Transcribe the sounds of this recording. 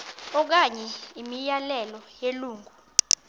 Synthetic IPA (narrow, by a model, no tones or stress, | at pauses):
ɔk̬aɲɛimijalɛlɔjeluːŋɡʱu